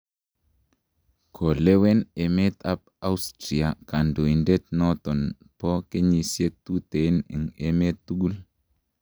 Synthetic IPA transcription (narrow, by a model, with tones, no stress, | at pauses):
kʰo˨le˦we˦ne˨me˦ta˦p̚ | a˦u˦stɾi˨a˨ka˨ndo˨i˨nde˦t̚nɔ˦t̪ɔ˨n | pɔ˦ke˦ɲi˨sje˦t̪u˦te˨˦nḭ˨ŋḛ˨me˦t̪ːu˦ɡu˦l